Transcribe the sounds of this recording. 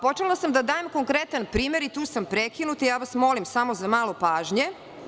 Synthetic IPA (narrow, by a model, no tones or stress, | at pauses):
pot͡ʃelˠasamd̪ad̪aːjemko̞ŋkɾet̪anpɾiːmeɾit̪uːsampɾekinut̪ijaːʋasmo̞limsamo̞zamaːlˠo̞paːʒɲe